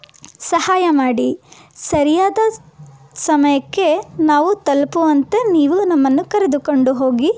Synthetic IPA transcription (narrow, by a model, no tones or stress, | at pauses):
sɐhaːjɐmaːɽi | sɐɾijaːd̪ɐ | sɐmɐjɐkːe̞naːʋut̪ɐlpuʋɐnt̪e̞niːʋunɐmːɐnːukɐɾed̪uko̞ɳɖuɦo̞ːɡi